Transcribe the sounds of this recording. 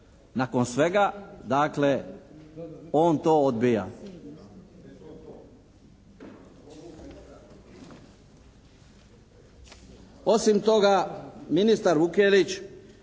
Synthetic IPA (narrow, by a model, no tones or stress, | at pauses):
nako̞nsʋeɡad̪aːkle | o̞ːnt̪oːod̪bija̰ | o̞simt̪o̞ɡaminist̪aɾʋukelit͡ʃ